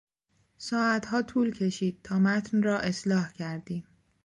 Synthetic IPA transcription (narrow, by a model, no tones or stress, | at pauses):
sɒːæt̪hɒːt̪ʰuːlcʰe̞ʃiːd̪̥̚t̪ʰɒːmæt̪ʰnrɒːʔe̞slɒːhcʰæɾd̪iːm